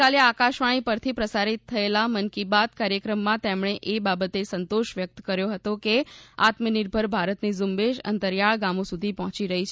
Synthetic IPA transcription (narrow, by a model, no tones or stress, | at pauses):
aleakaʃʋaɽ̃ipəɾt̪ʰipɾəsaɾit̪ʰːəelamənkibat̪̚kaɾjəkɾəmːãt̪emɳ̃eʔebabət̪esənt̪oʃʋjək̚t̪kəɾjoɦət̪okea̰t̪məniɾbʱəɾbʱaɾət̪nizumbeʃə̰nt̪əɾjaɭɡamõsud̪ʱipɔɦɔ̃t͡ʃiɾəɦit͡ʃʰ